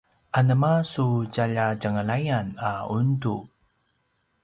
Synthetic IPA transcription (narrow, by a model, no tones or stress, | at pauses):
ʔanəmasuɟaʎaɟəŋəlajanaundu